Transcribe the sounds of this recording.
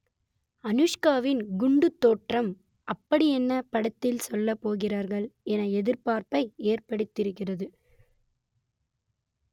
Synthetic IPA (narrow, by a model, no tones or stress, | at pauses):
ɐnɯʂkaːʋɪnɡʊɳɖɯt̪ːoːʈrɐm | ʔɐpːɐɽiɛnːɐpɐɽɐt̪ːɪlsɔlːɐpːoːɣɪraːɾɣɐɭɛnɐɛðɪɾpaːɾpɐɪeːrpɐɽɯt̪ːɪɾɯkːɪrɐðɯ